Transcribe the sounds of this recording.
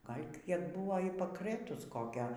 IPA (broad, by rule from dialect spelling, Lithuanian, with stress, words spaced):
ˈɡɐlʲ ˈkʲiɛk ˈbʊʋoː iː pɐkˈrɘtʊs ˈkoːkʲoː